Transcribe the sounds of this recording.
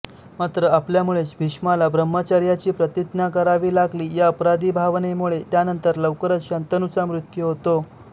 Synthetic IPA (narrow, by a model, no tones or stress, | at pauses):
mat̪ɾəapljamuɭesbʱiɕmalabɾəmːət͡ɕaɾjat͡ɕiːpɾət̪it̪nakəɾaʋiːlaɡliːjaəpɾad̪iːbʱaʋnemuɭet̪janənt̪əɾləʋkəɾət͡sɕant̪ənut͡samɾut̪juɦot̪o